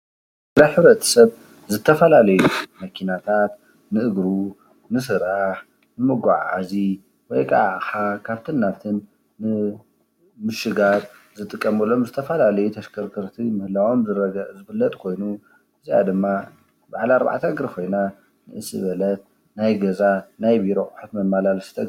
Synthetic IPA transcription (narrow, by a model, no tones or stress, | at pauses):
ɾajħɨβɾɐt̪ʰɐ̥sɐβ | zɨt̪ʰːɐfɐlalɐjumɐkʰinat̪ʰat̪ | nɨʔɨɡɾu | nɨsɨɾaħ | nɨmɨɡʷaʕa̰zi | wɔjkʼaʕxakʰaβt̪ʰɨnːaβt̪ʰɨnː | ɨ | mɨʃɨɡat | zɨt̪ʼɨkʼːɐmɐlːomzɨt̪ʰɐfɐlalɐjut̪ʰɐʃkʰɐɾkʰɨɾt̪ʰimɨhɨlawo̞mzɨɾɐɡɐʔzɨfɨlːɐt̪ʼkʰo̞jnu | ʔɨzija̰d̪ɨmːa | baʕlaɾba̰ʕt̪ʰɐɡɾikʰo̞jna | nɨʔɨsʼɨ̰βɐlɐt̪̚ | najɡɐzanajbiɾoʔħut̪mɐmːalalsɨ̥t̪ʰɐ